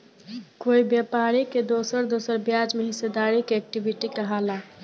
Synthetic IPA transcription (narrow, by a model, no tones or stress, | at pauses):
koibjɛpaɾiked̪osəɾd̪osəɾbjad͡ʒmeɦised̪aɾikeɛk̚ʈibiʈikəɦala